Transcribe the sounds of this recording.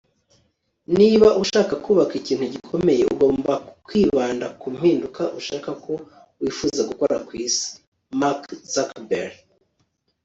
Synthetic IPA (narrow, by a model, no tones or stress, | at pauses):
niβaʔuʃaːkakuːβakiciːn̥huɟikʰo̞me̞je̞ṵɡo̞ːmbakwiːβaːndakum̥hiːndukʰaʔuʃaːkakʰo̞ | wiːfuːzaɡuko̞ɾakwiːsi̥ | makz̥akbḛɾ